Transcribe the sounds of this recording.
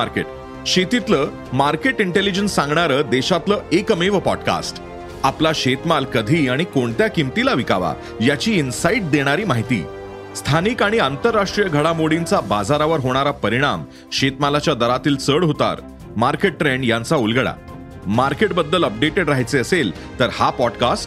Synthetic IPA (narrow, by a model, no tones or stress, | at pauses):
maɾkḛʈ̚ | ɕet̪it̪ləː | maɾkeʈiɳʈelid͡ʑənsːãŋɡɳaɾəːd̪eɕat̪ləːʔekəmiʋəpɔɖka̰sʈ | aplaɕet̪malkəd̪ʱiːaɽ̃ikoɳt̪jakimt̪ilaʋika̰ʋa̰ | jat͡ɕiːinsaiʈ̚d̪eɽ̃aɾiːmaɦit̪ḭː | st̪ʰaniːkaɽ̃iant̪əɾːaʂʈɾijəɡʱəɽamoɽint͡sabad͡zaɾaʋəɾɦoɽ̃aɾapəɾiɽ̃am | ɕet̪malat͡ɕjad̪əɾat̪iːlt͡səɽɦot̪a̰ɾ | maɾkeʈːɾeɳɖjãnt͡saulɡəɽa̰ | maɾkeʈ̚bəd̪ːələp̚ɖeʈeɖɾaɦjt͡seəsel | t̪əɾhapɔɖkasʈ